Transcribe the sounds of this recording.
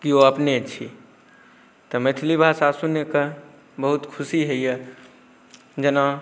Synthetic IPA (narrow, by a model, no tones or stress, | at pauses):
kioəpnet͡ʃʰi | t̪ɔmet̪ʰilibʱasasunekə | bəɦut̪kʰusiɦəje | d͡ʒəna